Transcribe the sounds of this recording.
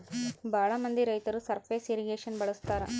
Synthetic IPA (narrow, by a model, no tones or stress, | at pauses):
bʱaːɭɐmɐnd̪iɾɐjt̪ɐɾusɐɾpʰeːseɾiɡeːʂɐnbɐɭust̪aːɾɐ̰